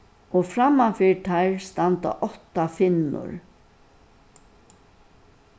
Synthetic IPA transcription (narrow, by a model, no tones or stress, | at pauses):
ɔfɾamːafiːɹt̪ʰaɹst̪ant̪a̰ʔɔht̪afɪnːʊ̰ɹ